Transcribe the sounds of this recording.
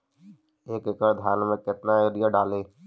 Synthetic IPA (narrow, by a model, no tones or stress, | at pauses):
eːkɪkəɾd̪ʱjaːnmẽkɪt̪naoɾɪjəɖaːleː